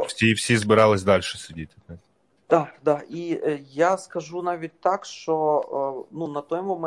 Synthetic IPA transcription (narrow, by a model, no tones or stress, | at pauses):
sʲiwsʲizbɪɾɑlˠɪsʲd̪ɑlʲʃɛ̥sʲʊdʲit̪̚ʲɪɛt̪ʲ | d̪̥ɑd̪ɑijaskɐʒunɑʋʲit̚ʲt̪ɑkʃt͡ʃɔ | nunɐt̪ɔjmɔm